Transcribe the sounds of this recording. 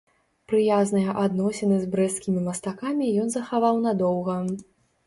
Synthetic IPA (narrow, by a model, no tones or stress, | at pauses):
pɾɨjaznɨjɐʔad̪nɔsʲɛnɨzbɾɛskʲimʲimɐst̪akamʲijɔnzɐxavawnɐd̪ɔwɣɐ